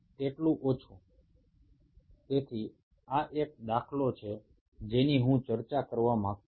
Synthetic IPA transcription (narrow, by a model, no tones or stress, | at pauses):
t̪eʈlũʔot͡ʃʰũ | t̪et̪ʰi | aʔek̚d̪akʰlot͡ʃʰe | d͡ʒeniɦũt͡ʃəɾt͡ʃakəɾʋamãk̪̚